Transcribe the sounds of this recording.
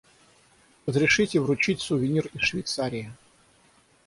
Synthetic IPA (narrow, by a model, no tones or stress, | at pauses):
rəzɾʲɪʂɨtʲɪvɾʊt͡ɕitʲsʊvʲɪnʲirɪsʂvʲɪjt̪saɾʲɪjə